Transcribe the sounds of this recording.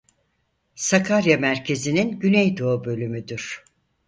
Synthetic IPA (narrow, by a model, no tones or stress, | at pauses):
sakʰaɾjamæɾcʰe̞zininɟynejd̪o̞ːbø̞lʲymyd̪yɾ̥